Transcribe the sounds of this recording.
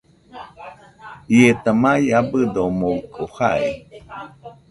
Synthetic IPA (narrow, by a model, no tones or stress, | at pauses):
iet̪amajabɨd̪oomokohai